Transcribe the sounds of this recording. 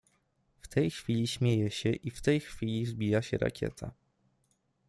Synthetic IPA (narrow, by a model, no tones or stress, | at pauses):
ft̪ʰɛjxfʲilʲiɕmʲjejɛɕɛʔift̪ɛjxfʲilʲizbʲijaɕɛɾa̰kʲɛ̰t̪ʰa̰